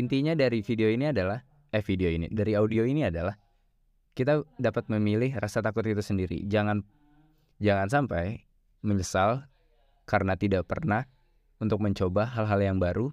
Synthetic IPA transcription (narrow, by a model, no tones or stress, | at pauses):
int̪iɲadaɾifideoiniadalah | ɛfideoinḭdaɾiaudioiniadalah | kit̪adapat̪̚məmilɪhrasat̪akʊt̪̚it̪usəndiɾḭd͡ʒaŋan | d͡ʒaŋans̬ampaj | məɲəsal | kaɾənat̪idaʔpə̰rnah | unt̪ʊk̚məɲt͡ʃobaɦalɦaljaŋbaɾu